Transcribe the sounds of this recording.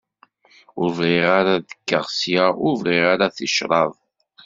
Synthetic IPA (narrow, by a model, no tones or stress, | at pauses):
ʊvʁiʁaɾaðə̥kːəʁsjaʊvʁiʁaɾaθəʃɾˤɑðˤ